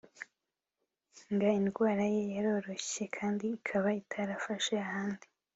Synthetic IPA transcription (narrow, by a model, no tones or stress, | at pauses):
ŋɡainɡwaːɾaje̞jaɾo̞ːɾo̞çe̞kʰaːndiːkʰaβaitʰaɾafaʃeahaːndi